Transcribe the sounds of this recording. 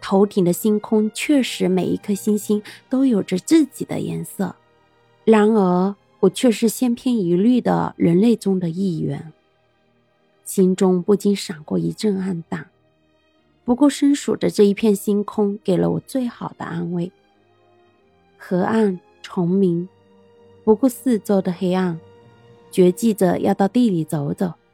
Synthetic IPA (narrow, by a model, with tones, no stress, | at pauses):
t̪ʰo˧˥ʊt̪ʰi˨˩ŋd̪ə˦ɕi˥nkʰʊ˥ŋt͡ɕʰɥɛ˥˩ʂɻ̩˧˥me˨˩ɪi˧˥kʰɤ˥ɕi˥nɕi˥nt̪o˥ʊjo˨˩ʊʈ͡ʂə˦t͡sɹ̩˥˩t͡ɕi˨˩d̪ə̰˦jɛ̰˧˥nsɤ̰˥˩ | ɻa˧˥nə˞˧˥ | wɔ˨˩t͡ɕʰɥɛ˥˧ʂɻ̩˥˩ɕjɛ˥npʰjɛ˥ni˧˥ly˥˩d̪ə̰˩ɻə˧˥nle˥˩ɪʈ͡ʂʊ˥ŋd̪ə˨i˥˩ɥɛ̰˧˥n | ɕi˥nʈ͡ʂʊ˥ŋpu˥˩t͡ɕi˥nʂɑ˨˩ŋkwɔ̰˥˩i˧˥ʈ͡ʂə˥˧ŋa˥˧nt̪a˥˩ | pu˧˥kwɔ˥˩ʂə˥nʂṵ˨˩ʈ͡ʂə˦ʈ͡ʂɤ˥˩i˧˥˩pʰjɛ˥˩nɕi˥nkʰʊ˥ŋke˨˩ɪlə̰˦wɔ̰˨˩t͡swe˥˩ɪxɑ˨˩ʊd̪ə̰˦ʔa˥nwe˥˩ɪ | xɤ˧˥a˥˩n | ʈ͡ʂʰʊ˧˥ŋmi˧˥ŋ | pu˧˥ku˥˧sɹ̩˥˩t͡so˥˩ʊd̪ə˨xe˥ɪa˥˩n | t͡ɕɥɛ˧˥t͡ɕi˥˩də˨jʔɑ̰˥˧ʊt̪ɑ˥˧ʊt̪i˥˩li˨˩t͡so˧˥ʊt͡so˨˩˦ʊ